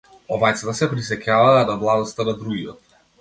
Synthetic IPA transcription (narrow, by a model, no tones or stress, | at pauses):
ɔvajt̪sat̪asɛpɾis̬ɛcavaːnavlˠad̪ɔst̪anad̪ɾuɡijɔt̪